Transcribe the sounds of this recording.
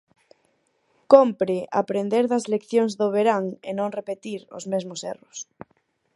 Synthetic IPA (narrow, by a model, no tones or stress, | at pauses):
kompɾɪʔa̰pɾend̪eɾðɐzlekθjoŋzðʊβeɾaŋḛnõŋrepet̪iɾʊ̰zmezmʊsḛrʊs